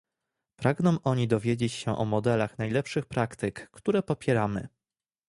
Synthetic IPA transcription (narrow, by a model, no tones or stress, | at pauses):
pɾaɡnɔ̃w̃ʔɔɲid̪ɔvʲjed͡ʑet͡ɕɕɛʔɔmɔd̪ɛlaxnajlɛpʂɘxpɾakt̪ɘkːt̪uɾɛpɔpʲjɛɾamɘ̰